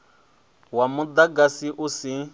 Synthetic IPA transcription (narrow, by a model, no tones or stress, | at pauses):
wamud̪aɡasiʔusi